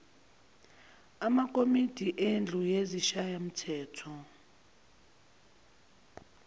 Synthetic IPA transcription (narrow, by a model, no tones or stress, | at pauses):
amak̬ʼomid̥ʱiʔend͡ɮʱujeziʃajam̩tʰɛːtʰɔ